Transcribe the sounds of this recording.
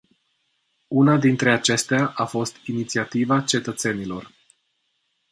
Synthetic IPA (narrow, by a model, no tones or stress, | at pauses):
unad̪int̪ɾe̞at͡ʃe̞st̪eaʔafo̞st̪init̪siat̪ivat͡ʃe̞t̪ət̪se̞nilo̞r